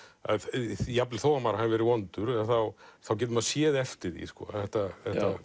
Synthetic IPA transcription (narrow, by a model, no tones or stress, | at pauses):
a̰ðjaplɪ̥θoːwamaːɾahanvɛɾɪvɔnt̪ʏɾɛθawθawc̬ɛːt̪ʏmaðsjɛːðɛft̪ɪɾḭskɔ̰ːθɛht̪aθɛht̪a